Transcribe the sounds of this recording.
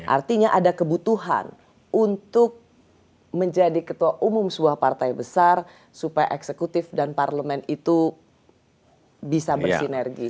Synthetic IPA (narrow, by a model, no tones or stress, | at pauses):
ʔa̰rt̪iɲaʔadakəbut̪uɦa̰n | unt̪ʊk̚ | məɲd͡ʒadikət̪uaʔumʊmsəbuahpart̪ajbəsar | supaja̰ʔɛksəkut̪ɪfdanparləmɛnit̪u | bisabərsinɛrɡi